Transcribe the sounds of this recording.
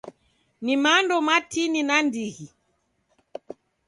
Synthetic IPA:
nimandɔmatininandiɣi

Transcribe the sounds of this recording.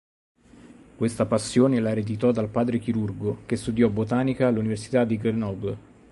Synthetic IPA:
kwest̪apasːjoːnelaɾed̪it̪ɔd̪alpaːd̪ɾek̟iɾurɡok̟est̪ud̪jɔbot̪aːnikaːluniversi̥t̪ad̪ːiɡɾenɔb

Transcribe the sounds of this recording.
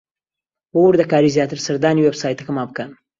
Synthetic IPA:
wowʊɾd̪ɐkaːɾizjaːt̪ɨɾsɐɾd̪aːniwebsaːjt̪ɐkɐmaːbɨkɐn

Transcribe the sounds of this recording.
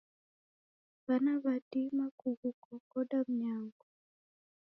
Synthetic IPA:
banaβadimakuɡukɔkɔdam̩ɲaŋɡu

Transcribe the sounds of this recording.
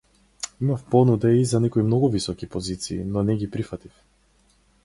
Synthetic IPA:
imafpɔnud̪ɛizanɛkɔimnɔɡuvisɔkipɔzit̪sḭːnɔnɛɡipɾifat̪if

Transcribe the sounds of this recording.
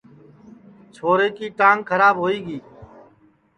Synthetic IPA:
t͡ʃʰoːɾeːkiːʈãːŋkʰəɾaːbɦoːiːɡiː

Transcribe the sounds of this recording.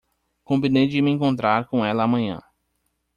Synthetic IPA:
kõvĩnejd͡ʒɪmɪẽŋkõnt̪ɾaɾkõɛlɐːmɐ̃ɲɐ̰̃

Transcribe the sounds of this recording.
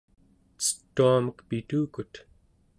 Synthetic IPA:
t͡sə̥t̪ːuamʌqpit̪uːkut̪

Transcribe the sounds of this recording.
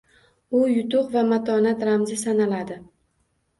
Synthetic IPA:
ʊjʊt̪ʰʊqvamat̪ʰɒnat̪ɾamzɪsanalad̪ɪ

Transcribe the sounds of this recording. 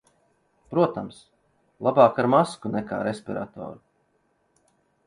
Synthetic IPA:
pɾuɔt̪ams | lˠabaːkaɾmaskunɛka̰ːɾespʲiɾa̰t̪ɔ̰ːɾu

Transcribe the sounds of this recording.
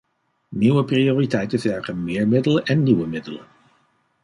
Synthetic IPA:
niwəprioːritɛjtəvɛɹχənmɪːɹmɪdələʔɛnːiwəmɪdələ̰

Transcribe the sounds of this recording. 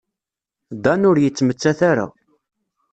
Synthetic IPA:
d̪ɑnʊɾjət͡sːmət͡sːæθaɾa̰

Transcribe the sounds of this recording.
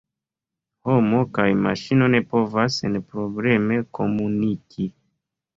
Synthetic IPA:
homo̞kajmaʃino̞ne̞po̞vasenpɾo̞bleme̞kʰo̞munikʰi

